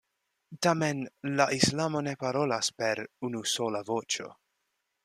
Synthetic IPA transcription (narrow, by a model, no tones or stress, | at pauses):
tamenlaʔislamo̞ne̞paɾo̞laspe̞ɾunuso̞lavo̞t͡ʃo̞̰